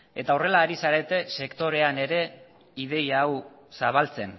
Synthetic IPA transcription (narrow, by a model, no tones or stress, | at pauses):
e̞t̪aore̞laːɾisaɾe̞t̪e̞se̞kt̪o̞ɾe̞ane̞ɾe̞ | iðe̞jaːw | saβ̞alt͡se̞n